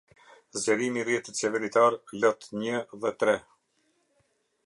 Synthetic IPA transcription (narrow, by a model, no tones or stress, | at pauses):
zd͡ʑɛɾimirjɛt̪ət͡ʃɛvɛɾit̪aɾlɔt̪ɲəðɛt̪ɾɛ